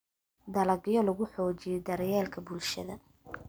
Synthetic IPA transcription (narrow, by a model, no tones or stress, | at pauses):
d̪ɐlɐɡɪjɔlʊɣʊħɔːt͡ʃɪjɛd̪ɐɾjɛːlkʰɐbulʃɐ̰ðɐ